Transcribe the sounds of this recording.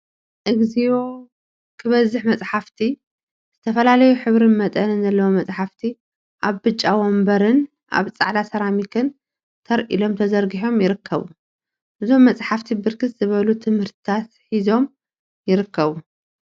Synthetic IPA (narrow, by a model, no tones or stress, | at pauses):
ʔɨɡzio | kʰɨβɐzɨħmɐt͡sʼħaft̪ʰi | z̥ɨt̪ʰɐfɐlalɐjuħɨβɾɨnmɐt̪ʼɐnɨnzɐlːɐwomɐt͡sʼħaft̪ʰi | ʔaβbɨt͡ʃʼːawombɐɾɨn | ʔa̰βt͡sʼa̰ʕlasɐɾamikʰɨn | t̪ʰɐɾʔḭlo̞mt̪ʰɐzɐɾɡiħo̞mjɪɾɨkʰːɐβu | ʔɨzo̞mːɐt͡sʼħaft̪ʰibɨɾkʰɨt̪zɨβɐlut̪ʰɨmhɨɾt̪ʰɨt̪ʰat̪ħizo̞m | jɪɾɨkːɐβu